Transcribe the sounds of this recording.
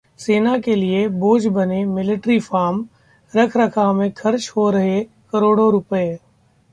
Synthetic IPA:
seːnakelieboːd͡ʒbɐnemɪlɪʈɾifaːɾm | ɾɐkʰɾɐkʰamẽkʰɐɾt͡ʃɦoɾɐɦe | kɐɾoːɽoɾʊpəe

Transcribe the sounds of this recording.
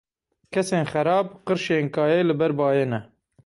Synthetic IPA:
kʰɛseːnxɛɾɑːb̚qɨɾʃeːnkʰɑːjeːlɨbɛɾbɑːjeːnɛ

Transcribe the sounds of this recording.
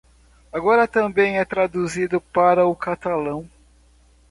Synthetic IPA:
aɡɔɾɐt̪ɐ̃bẽj̃ɛt̪ɾad̪uzid̪ʊpaɾɐʊkat̪alɐ̃w̃

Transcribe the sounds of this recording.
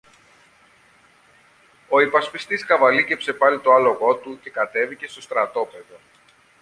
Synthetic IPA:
o̞ipɐspist̪iskɐvɐlicepsepɐlit̪oɐlo̞ɣo̞t̪uce̞kɐt̪e̞vice̞st̪o̞st̪ɾɐt̪o̞pe̞ðo̞

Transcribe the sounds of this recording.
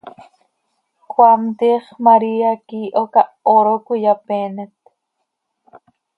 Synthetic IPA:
kwamt̪iːχmaɾiakiːʔokaʔoɾokujapeːnet̪

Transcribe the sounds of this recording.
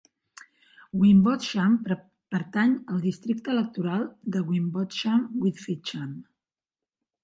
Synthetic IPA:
ɡwimbɔt̪ʃam | pəɾt̪aɲəlˠd̪ist̪ɾik̚t̪əːlək̚t̪uɾalˠd̪əɣwimbɔt̪ʃamwiðfit͡ʃam

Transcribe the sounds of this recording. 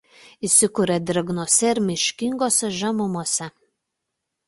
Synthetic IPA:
isʲɪkʊɾʲɛd̪ʲɾʲɐɡnoːsʲɛɪɾʲmʲɪʃʲkʲɪŋɡoːsʲɛʒɐmʊmuɔsʲɛ

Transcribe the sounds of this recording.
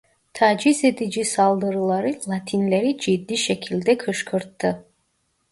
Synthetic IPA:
t̪ʰaːd͡ʒize̞d̪id͡ʒisalˠd̪ɯɾɯlˠaɾɯlˠat̪ʰinlʲeɾid͡ʒid̪ːiʃecʲʰilʲd̪ɛkʰɯʃkʰɯɾt̪ʰːɯ

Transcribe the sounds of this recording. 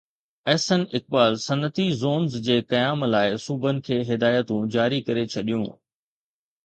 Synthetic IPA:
ɛːsənɪk̚baːlsɐnət̪izoːnzd͡ʑeːkɐjaːmlaːɪsubʱənɪ̆kʰeːɦɪd̪aːjət̪ũd͡ʑaːɾikɐɾet͡ɕʰɐɗijũ

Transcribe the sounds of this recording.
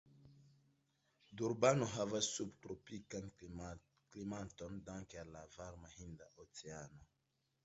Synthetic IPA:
duɾbanoɦavassubtɾopikan | klimat̪ondãŋkealavaɾmahĩnd̪aʔot͡seano

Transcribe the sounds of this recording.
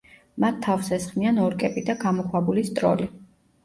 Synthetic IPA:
mat̪ʰːafsɛsχmianɔɾkʼɛpʼid̪aɡamɔχwabulist̪ʼɾɔ̰li

